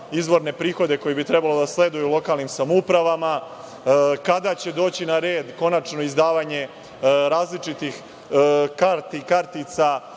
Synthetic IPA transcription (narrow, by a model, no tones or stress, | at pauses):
izʋo̞ɾne̞pɾiːxo̞d̪e̞ko̞jebit̪ɾebalo̞d̪asle̞d̪ujulo̞kaːlˠnimsamoupɾaʋama | kad̪at͡ɕe̞d̪o̞ːt͡ɕinaɾe̞ːd̪ko̞nat͡ʂno̞izd̪aːʋaɲe̞ | ɾaːzlit͡ʂit̪ix | kaɾt̪ikaɾt̪it̪sa